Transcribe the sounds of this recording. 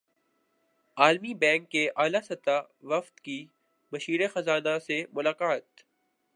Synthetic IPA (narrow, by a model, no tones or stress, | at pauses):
aːlmibɛ̃ːŋkːeʔaːlasɐt̪a | ʋɐft̪ki | bɐʃiːɾexɐzaːnasemʊlaːkaːt̪